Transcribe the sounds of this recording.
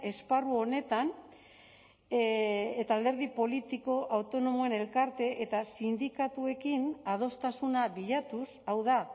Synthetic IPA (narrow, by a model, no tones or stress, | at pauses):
e̞sparuo̞ne̞t̪an | et̪aːld̪e̞ɾðipo̞lit̪iko̞ʔawt̪o̞no̞moe̞ne̞lkaɾt̪e̞ʔet̪asind̪ikat̪ue̞kinað̞o̞st̪asunaβiʎat̪usawða